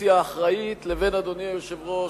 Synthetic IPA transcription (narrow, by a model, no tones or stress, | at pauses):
iaːχʁait̪leve̞nad̪oniajoʃevʁo